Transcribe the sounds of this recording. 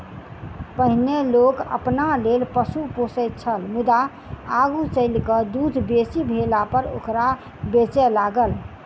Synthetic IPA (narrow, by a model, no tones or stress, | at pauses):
pəɦnelokə̰pnalelpəsuposəjt̪t͡ʃʰəlmud̪a | aɡut͡ʃəɪlkəd̪ud̪ʱbesibʱelapəɾo̰kɾa | bet͡ʃelaɡəl